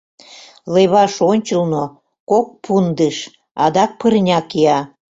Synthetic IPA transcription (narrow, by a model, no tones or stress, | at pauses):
leβɑʃonʲt͡ɕəlno | kok̚pʰund̪əʃ | ɑd̪ɑk̚pərnʲɑkiɑ